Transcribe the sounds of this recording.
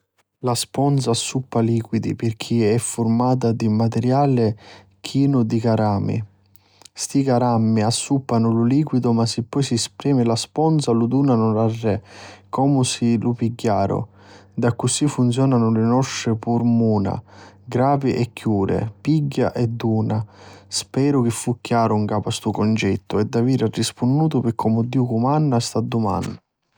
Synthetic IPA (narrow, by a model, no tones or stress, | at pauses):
laspɔnd̪sasːupːaliːkwid̪ḭpɪrk̟ʰiɛfːʊrmaːt̪̬ad̪imat̪ɛɾjaːlɪ | k̟ʰiːnʊd̪ikaɾaːmḭ | st̪ikaɾamːiasːupːanʊlʊliːkwid̪ʊmasːɪpːɔjsiɛspɾɛːmɪlaspɔnsalud̪uːnanʊlarːɛkːɔːmʊsɪlʊpiɡːaːɾʊ̰ | d̪akːʊsifːunt̪sjɔːnanʊlɪnɔʃːɪpuɾmuːna̰ɡɾaːviʔɛkːjuːɾɪ̰piɡːaʔɛd̪ːuːnaspɛːɾʊk̟ɪfːukːjaːɾʊŋkaːpast̪ukɔnt͡ʃɛt̪ːʊɛd̪ːaviːɾarːispunːuːt̪ʊpɪkʰːɔmʊd̪ːiːʊkumanːast̪ad̪ːuma̰nʊ